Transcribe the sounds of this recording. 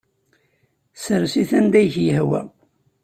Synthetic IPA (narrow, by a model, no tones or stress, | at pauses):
səɾsiθænd̪æjçjəhwæ̰